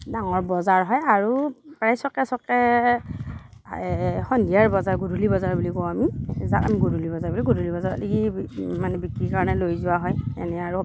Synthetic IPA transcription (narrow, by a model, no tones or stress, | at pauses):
daŋɔɹbɔzaɹɦɔjaɹupɹajsɔkɛsɔkɛ | xɔndijaɹbɔzaɹɡudʱulibɔzaɹbulikɔwamizata̰miɡudulibɔzaɹbuliɡudʱulibɔzaɹa̰tikimanɛbikɹikaɹɔnɛlojzʊwaɦɔjɛ̰nɛaɹu